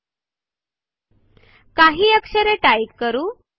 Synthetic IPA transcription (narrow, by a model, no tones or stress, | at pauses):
kaɦiːəkɕəɾeʈajikːəɾuː